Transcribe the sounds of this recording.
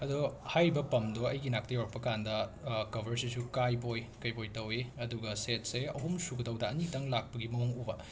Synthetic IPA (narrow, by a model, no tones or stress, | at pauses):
ɐdohajbɐpɐmdoɐjɡinak̚tɐjawɾɐk̚pːɐkandɐkɐbʱɐɾsisukajpojkɐjpojtɐweɐduɡɐset̚seɐ̰ɦumsuɡɐdɐwdɐːnitɐŋlak̚pɐɡimɐuŋubɐ